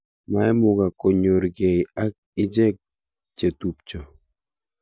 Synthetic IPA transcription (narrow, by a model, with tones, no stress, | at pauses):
ma˨ɛ˦mʊ˨ɡa˨ko˨ɲo˨ɾɡɛ˨ja˦k̚ | ɪ˦d͡ʒɛ˦k̚ | t͡ʃe˨tu˨p̚t͡ʃɔ˨